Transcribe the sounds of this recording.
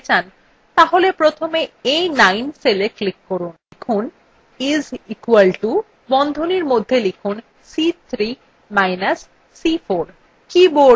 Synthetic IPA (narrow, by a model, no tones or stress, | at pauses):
t͡ɕan | t̪aɦolepɾot̪ʰomeejnajnseleklikːoɾunlikʰun | izikualʈu | bɔnd̪ʱoniɾmod̪ʱːelikʰun | sit̪ʰɾi | majnasː | ifoɾ | kibo